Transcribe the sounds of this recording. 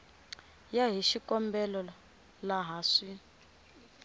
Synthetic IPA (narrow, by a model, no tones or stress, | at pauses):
jaɦiʃikɔmbɛlɔ | laɦaːʂi